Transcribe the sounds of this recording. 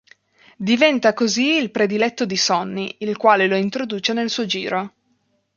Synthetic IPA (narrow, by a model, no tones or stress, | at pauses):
d̪ivɛnt̪akoziːlpɾed̪ilɛt̪ːod̪isɔnːiːlkwaːleloint̪ɾod̪uːt͡ʃenelsuːod͡ʒiːɾo